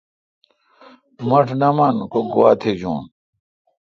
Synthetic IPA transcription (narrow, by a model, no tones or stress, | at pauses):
mɐʈʰnɐmɐnkoɡowaːt̪ʰed͡ʑṵːn